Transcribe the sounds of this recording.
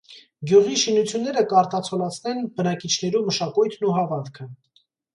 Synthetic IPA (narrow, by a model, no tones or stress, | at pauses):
ɡjuʁiʃinut͡sʰjunːɛɾəkɑɾt̪ɑt͡sʰɔlɑt͡sʰnɛnbənɑkit͡ʃʰnɛɾumːəʃɑkujt̪ʰnuɦɑvɑnkʰə